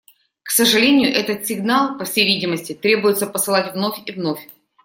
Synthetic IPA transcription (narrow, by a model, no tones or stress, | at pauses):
ksəʐɨlʲenʲɪjʊʔɛt̪ət̪sʲɪɡnalˠpɐfsʲejvʲidʲɪməsʲtʲɪt̪ɾʲebʊjɪt̪səpəsɨlˠatʲvno̞fʲivnofʲ